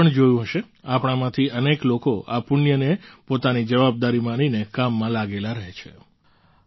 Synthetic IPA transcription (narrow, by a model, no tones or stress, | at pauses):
əɳd͡ʒojũɦəʃe | apɽ̃amãt̪ʰiəneklokoa̰pʊnjənepot̪anid͡ʒəʋab̚d̪aɾimaninekamːãlaɡelaɾəɦet͡ʃʰḛ